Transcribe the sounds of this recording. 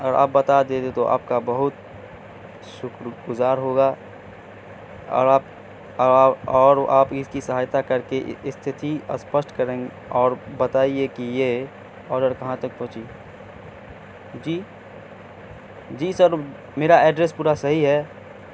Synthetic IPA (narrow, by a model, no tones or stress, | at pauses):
əɾa̰ːp̚ːbɐt̪ad̪eːd̪et̪oʔa̰ːp̚kabɐɦʊt̪ | ʃʊkɾɡʊzaːɾɦoːɡa | ɔ̰ːɾaːpː | ɔːɾaːpɪskisɐɦaːjt̪akɐɾkeɪst̪ʰɪt̪ʰiɐ̰spəsʈkɐɾẽːŋɡ | ɔːɾbɐt̪aːiekije | ɔːɖəɾkɐɦãt̪ɐk̚pɔ̃ɦt͡ʃi | d͡ʒiː | d͡ʒiːsəɾ | meːɾaɛːɖɾespuːɾasɐɦiɦɛː